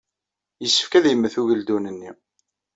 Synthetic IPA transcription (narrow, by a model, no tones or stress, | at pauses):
jəsːə̥fkæðjəmːəθuʝəld̪unənːi